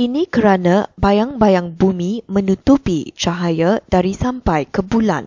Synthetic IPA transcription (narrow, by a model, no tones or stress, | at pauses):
inĩkəɾanãbajaŋbajaŋbumĩmə̃nut̪upit͡ʃaɦajadaɾisampajkəbula̰n